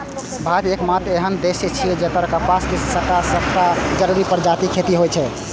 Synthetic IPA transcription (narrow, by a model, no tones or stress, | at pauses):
bʱabekmat̪eɦənd̪eset͡ʃʰiɛd͡ʒet̪əɾkəpaskisəkasəpʰʈad͡ʒəɾuɾipəɾd͡ʒat̪ikʰet̪iɦojt͡ʃʰɛ